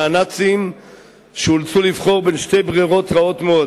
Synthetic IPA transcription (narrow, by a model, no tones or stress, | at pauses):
anat͡sim | ʃeult͡sulivχo̞ʁbe̞nʃte̞jbʁiʁo̞t̪ʁao̞t̪meo